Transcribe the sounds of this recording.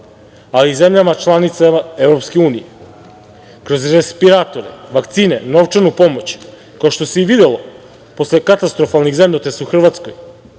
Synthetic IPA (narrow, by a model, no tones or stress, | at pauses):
alize̞mʎamat͡ʃlˠanit̪saevɾo̞pskeuːnḭje | kɾo̞zɾespiɾaːt̪o̞ɾḛʋakt̪siːne̞no̞ʋt͡ʂanupo̞mo̞t͡ɕ | kaoʃt̪o̞seiʋid̪elo̞ | po̞sle̞kat̪ast̪ɾo̞falˠniɣzemʎʲot̪esuxr̩ʋat̪sko̞̰j